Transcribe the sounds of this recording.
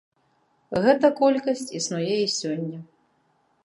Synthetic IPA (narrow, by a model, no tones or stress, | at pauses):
ɣɛt̪ɐkɔlʲkɐsʲt͡sʲisnɔjɛisʲɔnʲːɐ